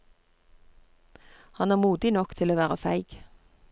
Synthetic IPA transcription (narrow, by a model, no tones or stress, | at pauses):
hɑnæːʁmuːd̪ɪnɔkt̪ʰɪloːʋæːʁəfæɪɡ̥